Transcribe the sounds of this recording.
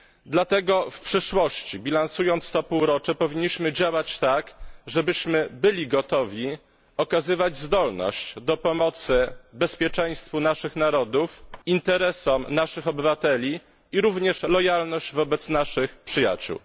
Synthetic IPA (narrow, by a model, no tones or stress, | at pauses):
d̪lat̪ɛɡɔfpʂɘʂwɔɕt͡ɕibʲilansujɔnt̪st̪ɔpuwɾɔt͡ʂɛpɔvʲiɲːiɕmɘd͡ʑawat͡ɕt̪akʐɛbɘɕmɘbɘlʲiɡɔt̪ɔvʲi | ɔkazɘvad͡ʑzd̪ɔlnɔ̰ɕt͡ɕd̪ɔpɔmɔt̪sɘbɛspʲjɛt͡ʂɛj̃st̪funaʂɘxnaɾɔd̪ufint̪ɛɾɛsɔmnaʂɘxɔbɘvat̪ɛlʲi | iɾuvɲɛʂlɔjalnɔɕd͡ʑvɔbɛt̪snaʂɘxpʂɘja̰t͡ɕṵw